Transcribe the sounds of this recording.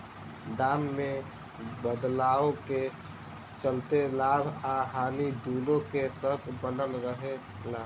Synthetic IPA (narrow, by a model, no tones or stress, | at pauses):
d̪aːmːẽ | bəd̪laːoke | t͡ʃəlt̪elaːbʱaɦaːnid̪uːlõkesək̪ʰbənəlɾəɦe | laː